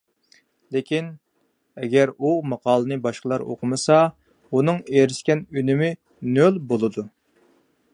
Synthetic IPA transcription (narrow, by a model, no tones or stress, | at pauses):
lekʲin | ɛɡʲɛɾumɑqʰɑːlˠənɨbɑʃqəlˠɑɾo̰qʰʊmɨsɑ | unɨŋeɾɪʃkʲɛnynɪmɪ | nølbolˠɨd̪u